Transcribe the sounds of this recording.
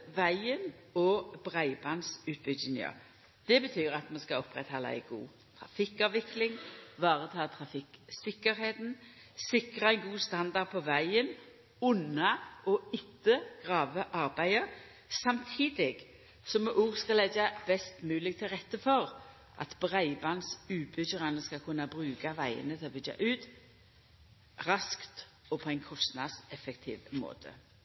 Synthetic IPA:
ʋæɪənɔbʁæɪbɑnsʉːt̪̚bʏd̪ɪŋə̰ | d̪̥ɛbət̪ʰyːʁɑt̪mɑnskɑɔpʁɛt̪hɔlːə̰ɛ̰ɪɡṵː | t̪ʰʁɑ̰fɪkɑʋʋɪklɪŋʋɑːʁət̪ʰɑːt̪ʰʁɑfɪksɪkːəɾɦeːt̪n̩ | sɪkʁəæɪnɡuːst̪ɑnd̪ɑʁd̪̚pʰɔʋæɪən | ʉnɑɔɪt̪ːəɡ̥ʁɑːʋəʔɑʁbæɪə | sɑmt̪ʰiːd̪ɪɡ | sɔmɛʔuːʁskɑlɛd͡ʒɑb̥ɛst̪mʉːlɪk̚t̪ʰɪlʁɛt̪ːəfɔʁ | ʔɑ̰t̪bʁæɪbɑnsʉːbʏçəʁɑnəskɑlkʰʉnːabʁʉːkaʋæɪə̰nət̪ʰɪlɔbʏd͡ʒa̰ʔʉːt̪ | ʁɑskt̪ | ɔpʰɔɛɪnkʰɔst̪nɑ̰d̪sɛfəkt̪ʰḭːʋmo̰ːt̪ʰə̰

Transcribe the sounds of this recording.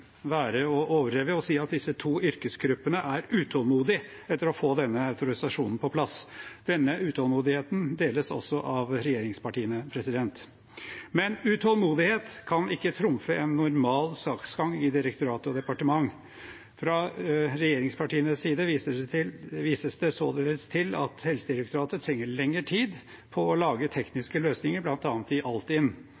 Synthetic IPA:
ʋæːɾəɔʔoːʋəɾeːʋəɔsiːɑt̪̚d̪ɪsːət̪ʰuːʏɾkəsɡɾʉpːənəʔæɾʉːt̪ʰɔlmuːd̪ɪ | ɛt̪ːəɾɔfoːd̪ɛnːəɑʉt̪ʊɾɪsɑʂuːnn̩pʰɔpʰlɑsd̪̥ɛnːəʉːt̪ʰɔlmuːd̪ɪheːt̪nd̪eːləsɔ̰sːɔʔɑʋɾɛjeːɾɪŋspɑʈiːənəpʰɾɛsɪd̪ɛnt̪ | mɛnʉt̪ʰɔlmuːd̪ɪheːt̪kʰɑnɪkːət̪ʰɾʊmfəʔɛnːʊɾmɑːlsɑːksɡɑŋːɪd̪ɪɾəkt̪ʊɾɑːt̪əɔd̪ɛpɑʈəmɑŋː | fɾɑɾɛjeːɾɪŋspʰɑʈiːənəsiːd̪əəʋiːsəsd̪ɛsoːd̪eːləst̪ʰɪlɑ̰t̪hɛlsəd̪ɪɾɛk̚t̪ʊɾɑːt̪ət̪ʰɾɛŋːəɭɛŋːəʈʰiːd̪ | pʰɔːlɑːɡət̪ʰɛknɪskəløːsnɪŋəɾblɑnt̪ɑːnət̪ɪʔɑlt̪ɪnː

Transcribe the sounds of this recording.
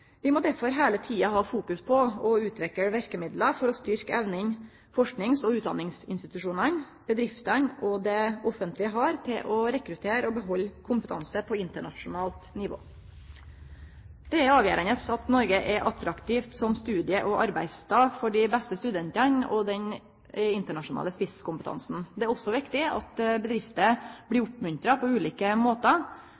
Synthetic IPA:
ʋɪmɔd̪æɾfɔɾɦeːlət̪ʰiːɑɦɑːfuːkʉspʰɔɔʉːt̪ʰʋɛkəʋæɾkəmɪd̪ləfɔɾɔst̪ʏɾkəɛʋnɪŋ | fɔʂknɪŋsɔʉːt̪d̪ɑ̰nːɪŋsɪ̰nst̪ɪt̪ʉʂuːnən | b̥əd̪ɾɪft̪ənɔd̪ɛɔfənt̪lɪɦɑːɾt̪ʰɪlʔɔɾɛkɾʉt̪ʰeːɾɔbəɦɔlːkʰʊmpət̪ʰɑnsəpʰɔɪnt̪əɳɑʂʊnɑːlt̪nɪʋo̰ː | d̪̥ɛæɾɑːʋjæ̰ːɾənəsɑt̪nɔɾɡəʔɛʔɑt̪ɾɑkt̪ʰiːft̪sɔmst̪ʉːd̪ɪəʔɔʔɑɾbæɪst̪ʰɑːfɔɖɪbɛst̪əst̪ʉd̪ɛnt̪ənɔ̰d̪ɛn | ɪnt̪əɳɑʂʊnɑ̰ːləspɪskʊmpət̪ʰɑ̰nsn̩d̪ɛæɾɔsːɔʋɪkt̪ɪɑ̰t̪bəd̪ɾɪft̪əb̥lɪɾʊpmʉnt̪ɾɑpʰɔʉːliːkəmoːt̪ə

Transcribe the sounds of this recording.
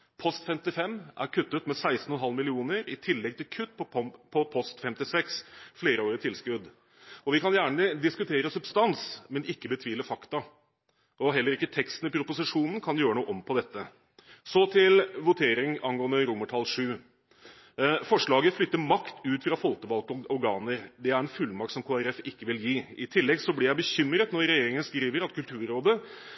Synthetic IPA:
pʰɔst̪fɛmt̪ɪfɛmːʔæ̰ɾkʰʉt̪ːət̪mɛsæɪst̪n̩ɔnɦɑlːmɪlɪuːnəɾɪt̪ʰɪlːɛɡ̚t̪ʰɪlkʰʉt̪ːpʰɔpʰɔpʰɔst̪fɛmt̪ɪsɛksfleːɾəoːɾət̪ʰɪlskʉd̪ | ɔʋɪkɑnjæːɳəd̪ɪskʉt̪ʰeːɾəsʉbst̪ɑnsmɛnɪkːəbət̪ʰʋiːləfɑkt̪ɑ | ʔɔɦɛlːəɾɪkːət̪ʰɛkst̪n̩ɪpʰɾʊpʊsɪʂuːnn̩kʰɑnjøːɾənuːəʔɔmpʰɔd̪ɛt̪ːə | sɔt̪ʰɪlʋʊt̪ʰeːɾɪŋɑnɡoːənd̪əɾʊməʈʰɑlːʂʉː | fɔʂɭɑːɡəflʏt̪ːəmɑkt̪ʉːt̪fɾɑfɔlt̪əbɑlkɔɔɾɡɑːnəɾd̪ɛæɾɛnfʉlːmɑk̚t̪sɔmkʰoːæɾɛfɪkːəʋɪljiːɪt̪ʰɪlːɛɡsɔblɪɾjæɪbəçʏmɾət̪nɔɾɾɛjeːɾɪŋənskɾiːʋəɾɑt̪kʉlt̪ʰʉːɾɾoːd̪ə

